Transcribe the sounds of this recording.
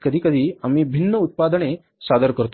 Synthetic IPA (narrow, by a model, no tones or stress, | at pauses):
kəd̪ʱikəd̪ʱiamibʱinːəut̪̚pad̪ɳ̃e | sad̪əɾkəɾt̪